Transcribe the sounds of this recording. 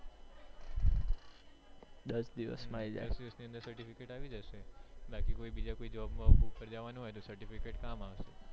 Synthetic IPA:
d̪əɾsd̪iʋə̰smãid͡ʒa̰sd̪iʋəsniənd̪əɾsəɾʈifikeʈaʋid͡ʒəʃebakikoibid͡ʒakoid͡ʒəʋabmafəɾd͡ʒaʋanũɦɔjt̪osəɾʈifikeʈkamaʋʃe

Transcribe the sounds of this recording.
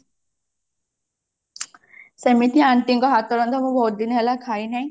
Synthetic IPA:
semit̪ʰiaɳʈiŋkɔɦat̪ɔɾɔnd̪ʰɔmũbʱɔut̪̚d̪inɦelakʰainaj̃

